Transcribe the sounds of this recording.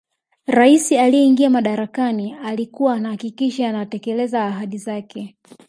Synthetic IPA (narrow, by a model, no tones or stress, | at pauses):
ɾaisialijɛiŋɡiamaɗaɾakanialikuwaːnahakikiʃaːnatɛkɛlɛzaːɦaɗizakɛ